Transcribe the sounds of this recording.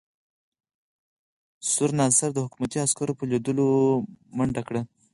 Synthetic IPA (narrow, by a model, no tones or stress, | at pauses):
sʊɾnɑsaɾd̪əhʊkumat̪iaskaɾopəled̪əlomaɳɖakɽa